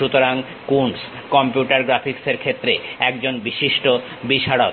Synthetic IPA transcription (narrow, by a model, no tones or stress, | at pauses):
ut̪oɾaŋ | kuns | kɔmpijuʈaɾɡɾafʰikseɾkʰet̪ːɾeɛk̚d͡ʑonbiʃiʃʈo | biʃaɽo